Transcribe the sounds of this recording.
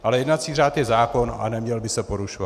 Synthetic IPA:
ʔalɛjɛdnat͡siːraːt̪jɛzaːko̞na̰nɛmɲɛlbɪsɛpo̞ɾuʃova

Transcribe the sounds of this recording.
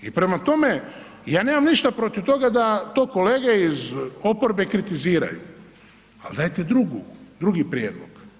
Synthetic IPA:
ipɾe̞mat̪o̞me̞ | jaːne̞ːmamniʃt̪apɾo̞t̪iwt̪o̞ɡad̪at̪o̞ːko̞leːɡeizo̞poɾbe̞kɾit̪iziːɾa̰jṵ | a̰ld̪aːjt̪ed̪ɾuɡud̪ɾuɡipɾjeːd̪lˠo̰ɡ̥

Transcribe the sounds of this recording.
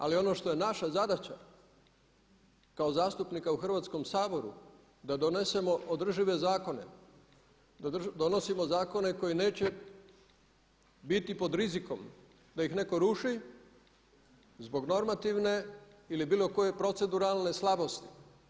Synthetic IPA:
alio̞no̞ːʃt̪o̞je̞naʃazad̪at͡ɕa̰ | kaozaːst̪upnikauxr̩ʋaːt̪sko̞msaːbo̞ɾṵ | d̪ad̪onese̞mo̞od̪r̩ʒiʋe̞zaːko̞ne̞̰ | d̪ad̪o̞no̞simo̞zaːko̞ne̞ko̞jine̞ːt͡ɕe | bit̪ipo̞d̪ɾiziko̞m | d̪ajixne̞ko̞ɾuʃi | zbo̞ɡno̞ɾmat̪iʋne̞ilibiːlˠo̞ko̞je̞pɾo̞t̪se̞d̪uɾalˠne̞slˠabo̞st̪i̥

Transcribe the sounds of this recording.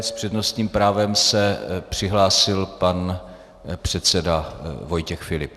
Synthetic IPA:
spr̥ɛdno̞st̪ɲiːmpɾaːvɛmsɛpr̝̥ɪɦlaːsɪlpan | pr̝̥ɛt̪sɛdavo̞jcɛxfɪlɪp

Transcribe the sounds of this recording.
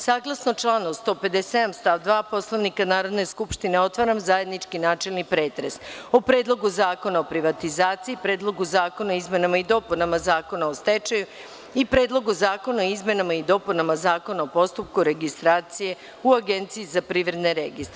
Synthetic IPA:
saːɡlˠasno̞t͡ʃlˠaːnost̪o̞ːpe̞d̪esed̪amst̪aʋd̪ʋaːpo̞slˠaʋnikanaːɾo̞d̪ne̞skupʃt̪ine̞o̞t̪ʋaɾamzaje̞d̪nit͡ʃkinaːt͡ʃelnipɾe̞ːt̪ɾḛsopɾe̞ːd̪lˠo̞ɡuzaːko̞naopɾiʋat̪izaːt̪siipɾeːd̪lˠo̞ɡuzaːko̞naoizme̞namaid̪o̞punamazaːko̞naost̪et͡ʃaju | ipɾe̞ːd̪lˠo̞ɡuzaːko̞naoizme̞namaid̪o̞punamazaːko̞naopo̞st̪up̚kuɾe̞ɡist̪ɾaːt̪sije̞ | uaɡe̞nt̪siizapɾiʋɾe̞d̪neɾḛɡist̪ɾ

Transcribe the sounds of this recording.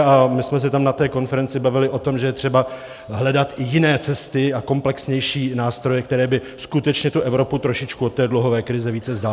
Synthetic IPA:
amɪsmɛs̬ɛt̪amnat̪ɛːko̞nfɛɾɛnt͡sɪbavɪlɪʔo̞t̪o̞mʒɛjɛt̪r̝̥ɛba | ɦlɛdat̪ɪjɪnɛːt͡sɛst̪ɪako̞mplɛksɲɛjʃiːnaːst̪ɾo̞jɛk̚t̪ɛɾɛːbɪ | skut̪ɛt͡ʃɲɛt̪uʔɛvɾo̞put̪ɾo̞ʃɪt͡ʃkuot̪ːɛːdluɦovɛːkɾɪzɛviːt͡sɛzdaː

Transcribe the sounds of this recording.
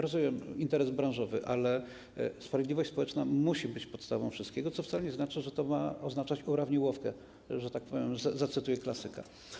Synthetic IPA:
ɾɔzumʲɛmint̪ɛɾɛzbɾãw̃ʐɔvɘʔalɛ | spɾavʲjd̪lʲivɔɕt͡ɕʲspɔwɛt͡ʂnamuɕibɘt͡ɕpɔt̪st̪avɔ̃w̃fʂɨst̪̚kʲeɡɔt̪sɔftsalɛɲɛznat͡ʂɘʐɛt̪ɔmaɔznat͡ʂat͡ɕuɾavɲɛwɔfkɛ | ʐɛt̪ak̚pɔvʲjɛmzazat̪sɘt̪ujɛklasɘka̰

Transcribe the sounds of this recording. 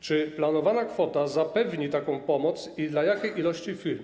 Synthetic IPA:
t͡ʂɘplanɔvanakfɔt̪azapɛvɲit̪akɔ̃w̃pɔmɔt̪sid̪lajakʲejʔilɔɕt͡ɕifʲiɾm

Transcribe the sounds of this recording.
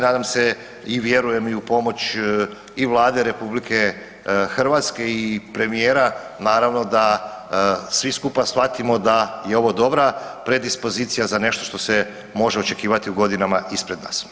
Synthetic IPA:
naːd̪amse | iʋje̞ɾuje̞miupo̞mo̞t͡ɕ | iʋlˠaːd̪eɾe̞publike̞ | xr̩ʋat̪ske̞ipɾe̞mijeːɾanaːɾaʋno̞d̪a | sʋiskupasxfat̪imo̞d̪ajeo̞ʋo̞d̪o̞bɾapɾe̞d̪ispo̞ziːt̪sijazane̞ʃt̪o̞̥ʃt̪ose | mo̞ʒeo̞t͡ʃe̞kiːʋat̪iuɡo̞d̪inamaʔispɾed̪na̰ːs

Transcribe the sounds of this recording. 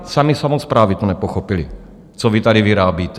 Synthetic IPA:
samisamospɾaːvit̪onɛpoxopɪlɪ | t͡sovit̪adɪviɾaːbiːt̪ɛ

